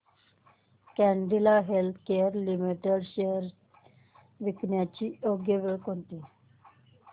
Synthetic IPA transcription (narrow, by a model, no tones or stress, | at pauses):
kɛɳɖilaɦelt̪ʰkeɾlimiʈeɖʃeəɾ | ʋiknjat͡ɕioɡjəʋeɭkont̪i